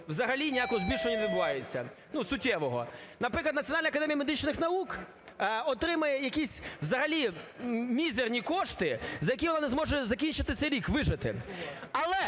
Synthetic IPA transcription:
wzɐɦɐlʲinʲijakʊɔzbʲilʲʃɔɔnʲɐʋʲɪd̪bʊʋɑjet͡sʲːɐ̰nusʊtʲːɛʋɔɦɔ̰nɐpɾɪklˠɐd̪ɐt͡sʲijɔnɑlʲnɐkɐd̪ɛmʲijɐmed̪ɪt͡ʃnɪxnɐuk | ɔt̪ɾɪmɐjɛjɐkʲisʲʋzɐɦɐlʲimʲizernʲikɔʃt̪ɪzɐjɐkʲiʋɔnanɛzmɔʒɛzɐkʲint͡ʃɪt̪ɪt̪sɛjɾʲikʋɪʒɪt̪ɪ̰ɐlˠɛ

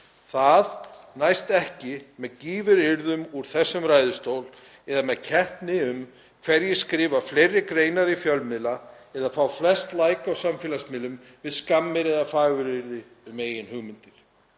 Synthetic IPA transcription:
θað | najst̪ɛhcɪmɛðciːvɪɾɪɾðʏmuɾ̥θɛsːʏmɾaːjðʏst̪owl | ɛðamɛðcʰɛhp̪nɪʏm | kʰv̥ɛɾjɛskɾɪːvaflejrːɪkɾeːjnaɾifjœlmɪðla | ɛðafawflɛst̪laːjkawsamfɪːlasmɪlʏm | vɪðskamːɪɾɛðafaːɣʏɾɪɾðɪ | ʏmeːjɪnhʏɣmɪnt̪ɪɾ̥

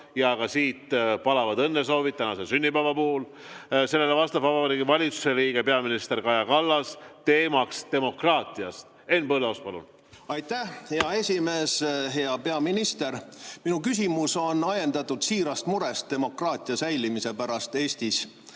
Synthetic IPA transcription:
jɑːɡ̥ɑsiːt̪pɑlɑvɑd̪ɤnːes̬o̞ːvit̪t̪ːænɑsesynʲːipævɑpuːl | se̞lːelevɑst̪ɑb̥vɑvɑɾiɡivɑlʲit̪su̥seliːɡ̥e̞peɑminist̪e̞rkɑjɑkɑlːɑst̪e̞ːmɑkst̪e̞mo̞krɑːt̪ˑiɑst̪ | e̞npɤleospɑlṵn | ɑjt̪æhheɑe̞sʲime̞ːsɦe̞ɑpe̞ɑminist̪e̞ɾminukys̬ʲimuso̞nːɑjend̪ɑt̪ːud̪siːɾɑst̪muɾe̞st̪̚e̞mo̞krɑːt̪ʲˑiɑsæjlimise̞pæɾɑst̪e̞ːsʲt̪is

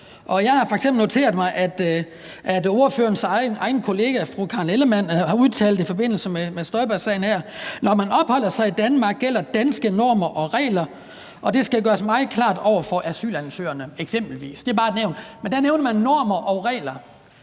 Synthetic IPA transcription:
ʔɒ̽jɑ̈ɪhɑ̈fɒ̽eɡ̥semb̥l̩no̝t͡sʰe̝̰ːɐðˠmɑ̈ɪʔæd̥ | ʔæd̥o̝ːɐføːɐnsɑɪnʔɑ̈ɪnəkʰo̝le̝ːɡ̥æfʁukʰɑ̈neləmæn̰hɑ̈uðˠt͡sʰɛ̰ːld̥̩ˠifɒ̽be̝n̰l̩səmemesd̥ɒ̽ɪb̥æsɛ̰ɪn̩hæɐ̰nɒmænɒ̽b̥hɒ̽l̰ɐsɑ̈ɪid̥ænmɑ̈ːɡ̥̚ːel̰ɐd̥ænsɡ̥ənɔːmɐʔɒ̽ʁɛ̰ːlɐ | ʔɒ̽d̥e̝sɡ̥æɡ̥ɶːɐsmɑ̈ɪð̩ˠkʰlɑ̰̈ːd̥ɒʊ̰ɐfɒ̽ʔæsy̰ːlænsø̰ːɐnəeɡ̥sem̰b̥l̩ʋḭːsd̥e̝bɑ̈ːed̥neʊnd̥mend̥æneʊnɐmænːɒ̰ːmɐʔɒ̽ʁɛ̰ːlɐ

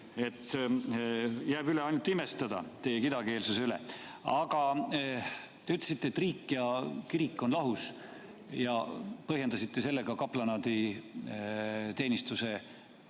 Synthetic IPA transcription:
e̞t̪ː | jæːbyleɑjnult̪imest̪ɑd̪̥ɑ̰t̪e̞jekid̪ɑke̞ːlsuseylḛ | ɑɡ̥ɑ | t̪eyt̪ːˑl̥esit̪ːeːt̪ːˑriːkːˑjɑkiɾikːˑo̞nlɑɦus | jɑ̰pɤɦje̞nd̪ɑsit̪ːˑe̞se̞lːeɡ̥ɑkɑplɑnɑd̪̥i | t̪e̞ːnist̪use̞

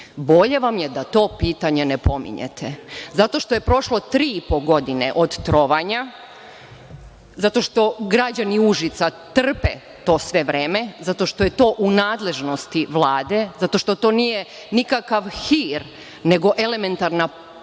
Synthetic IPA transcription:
bo̞ʎe̞ʋamjed̪at̪o̞ːpiːt̪aɲe̞nepo̞mḭɲḛt̪ʰezat̪o̞ʃt̪o̞je̞pɾo̞ʃlot̪ɾiːipo̞ɡo̞d̪inḛʔo̞d̪t̪ɾoʋaɲa | zat̪o̞ʃt̪o̞ɡɾad͡ʑaniuʒit̪sat̪r̩pḛ | t̪o̞ːsʋe̞ʋɾeːme̞zat̪o̞ʃt̪oje̞t̪o̞ːʔunaːd̪le̞ʒno̞st̪iʋlˠaːd̪e̞zat̪o̞ʃt̪o̞t̪o̞ːnije̞ | nikakaʋxiːɾ | ne̞ɡo̞ʔe̞le̞me̞nt̪aɾna

